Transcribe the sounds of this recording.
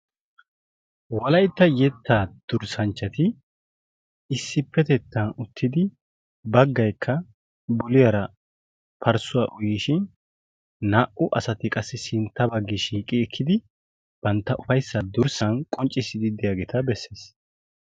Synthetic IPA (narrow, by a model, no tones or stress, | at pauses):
wɐlɐjt̪ːɐjɛt̪ʰːaːd̪̥ʊɾsɐnt͡ʃːɐt̪ɪ | ɪsːɪpːɛt̪ɛt̪ʰːɐnʊt̪ʰːɪd̪ɪ | bɐɡːɐjkʰːɐ | bʊlɪjɐɾɐ | pʰɐɾsʊwaʔʊjiːʃɪn | naːʔʊʔɐsɐt̪ɪkʼɐsːɪsɪnt̪ːɐbɐɡːɪʃiːkʼːɪɛkʰːɪd̪ɪ | b̥ɐnt̪ːɐʔʊfɐjsːɐd̪ʊɾsɐnkʼɔnt͡ʃʼːɪsɪd̪ɪd̪ɪjaːɡeːt̪ɐbɛsːeːs